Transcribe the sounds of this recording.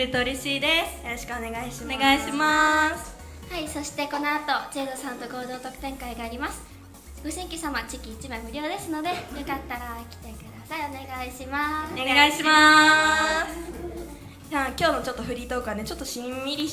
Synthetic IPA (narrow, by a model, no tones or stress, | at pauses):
ɯt̪oɯɾe̞ɕiːd̪e̞sɨ̥joɾo̞ɕi̥kɯ̟one̞ɡaiɕimɡaiɕimasɨ̥ | haiso̞ɕi̥t̪e̞ko̞no̞at̪o̞t͡ɕe̞ːd̪osãnt̪o̞ɡo̞ːd̪o̞ːt̪o̞kɯ̥t̪ẽ̞ŋkaiɡaːɾʲimasɨ̥ | ɡ̥o̞ɕĩŋkʲisamat͡ɕikʲiːt͡ɕimaemɯ̟ɾʲo̞ːd̪e̞sɨno̞d̪e̞jokat̪ːaɾakʲi̥t̪e̞kɯ̟d̪asaio̞ne̞ɡaiɕimasɡaiɕima | s | jakʲo̞ːno̞t͡ɕo̞t̪ːo̞ɸɯ̟ɾʲit̪o̞kane̞t͡ɕo̞t̪ːo̞ɕĩmmʲiɾʲi